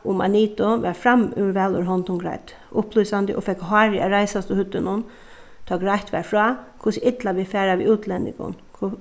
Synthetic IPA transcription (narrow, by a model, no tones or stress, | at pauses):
ʊma̰niːt̪ʊʋɛɾfɾamʉ̰ɾʋɛlʊ̰ɾɦɔnt̪ʊnɡɾa̰jt̪ | ʔʊpluːsand̪ɪʔɔ̰fɛkɦɑːɾɪaɾaɪsast̪ʊhʏt̪ːɪnʊn | t̪ʰɑːɡɾajht̪ʋɛ̰ɹfɾɔːkʰʊsɪʔɪt̪laʋɪfɛːɾaʋḭʉːt̪ʰlɛnːɪ̰kɡʊ̰n | k